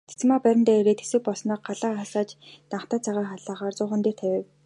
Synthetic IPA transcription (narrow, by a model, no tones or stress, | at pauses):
t͡se̥t͡sɘ̆maːpæɾʲɪ̆nt̪æːeɾeːt̪xe̥sɘ̆k̚pɔɮsnɔːq̚ɢaɮaːχaɮaːt͡ɕt̪aɴχt̪aːt͡sʰaʁaːχaɮaːʁaːrt͡sʊːχə̆nt̪eːr̥t̪ʰæwʲĕw